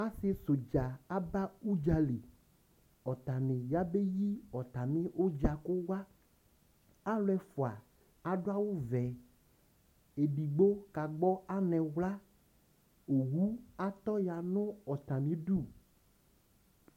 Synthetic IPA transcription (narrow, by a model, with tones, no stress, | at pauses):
a˦sɪ˦so˨d͡ʒa˨a˦ba˦u˦d͡ʒa˨li˨ | ɔ˨t̪a˨nɪ̃˨ja˦be˦ji˦ɔ˨t̪a˨mɪ̃˦ʔo˦d͡ʒa˨kʊ˦wa˦ | a˦lɛ˦fo˨a̰˨ | a˨ɖʊ˦a˦wʊ˦vɛ˨ | e˨bi˨ɡ͡bo˦ka˨ɡ͡bɔ˦a˦nɛ̃˨wla˦ | o˨wu˦a˨t̪ɔ˦ja˨nʊ̃˦ɔ˨t̪a˨mĩ˦ɖu˦˨